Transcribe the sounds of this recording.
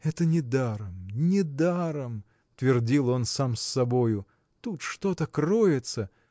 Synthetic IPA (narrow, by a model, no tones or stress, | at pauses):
ɛt̪ənʲɪd̪aɾəmnʲɪd̪aɾəm | t̪vʲɪrdʲilˠo̞nsamsːɐbojʊ | t̪ut̪ʂt̪o̞t̪əkrojɪt̪sə